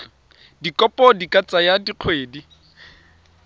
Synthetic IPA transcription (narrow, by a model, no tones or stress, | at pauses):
dikʼɔpʼɔdikʼat͡sʼajadiq͡χʰweːdi